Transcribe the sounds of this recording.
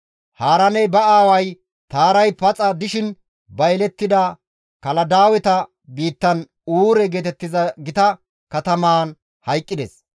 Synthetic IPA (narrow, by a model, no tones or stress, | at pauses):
haːɾɐnɛjbɐaːwɐj | t̪aːɾɐjpɐt͡sʼɐd̪ɪʃɪn | bɐjlɛt̪ːɪd̪ɐ | kɐlɐd̪aːwɛt̪ɐ | biːt̪ːɐn | uːɾɛɡeːt̪ɛt̪ːɪzɐɡɪt̪ɐ | kɐt̪ɐmaːn | hɐjkʼːɪd̪ɛs